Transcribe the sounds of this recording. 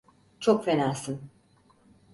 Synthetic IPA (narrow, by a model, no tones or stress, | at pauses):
t͡ʃʰokfenaːsɯn